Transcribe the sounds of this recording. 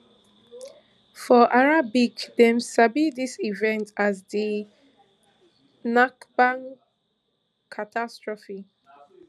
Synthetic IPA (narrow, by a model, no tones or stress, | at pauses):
fɔʔaɹabikdɛ̃msabidisivɛ̃ntazdi | nakbãŋ | kʰatʰastɹɔfi